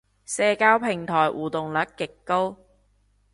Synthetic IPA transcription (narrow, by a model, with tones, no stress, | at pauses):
sɛː˧kaː˧˥wpʰɪ˨˩ŋt̪ʰɔː˨˩jwʔuː˨˩t̪ʊ˨ŋlɐ˨˥kkːɪ˨kːo˥w